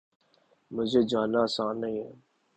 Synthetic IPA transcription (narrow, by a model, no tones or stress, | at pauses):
mʊd͡ʒʱeːd͡ʒaːnaːəsaːnːəɦĩːɦɛː